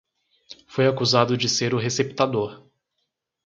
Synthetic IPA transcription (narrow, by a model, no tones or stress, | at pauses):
fojakuzad̪ʊd͡ʒɪseɾʊɦesept̪ad̪oɾ